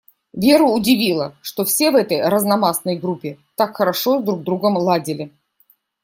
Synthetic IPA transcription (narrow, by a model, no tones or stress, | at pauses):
vʲe̞ɾʊːdʲɪvʲilˠəʂt̪o̞fsʲe̞vɛt̪əjɾəznɐmasnəjɡɾupʲːɪt̪akxəɾɐʂo̞zd̪ɾuɡ̚d̪ɾuɡəmlˠadʲɪlʲɪ